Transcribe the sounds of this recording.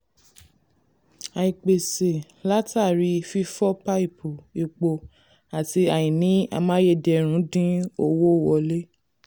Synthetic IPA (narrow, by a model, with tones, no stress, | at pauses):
a˨i˨k͡pe˨se˨ | la˦ta˦˨ɾi˧˦fi˦fɔ˦pa˦i˦˨pu˨i˨k͡po˧ | a˨ti˧a˨jĩ˨nĩ˨˦a̰˧mã˦je˧˨dɛ˧˨ɾ̃ũ˨˦dĩ˦o˧wo˦˨wɔ˨˧le˦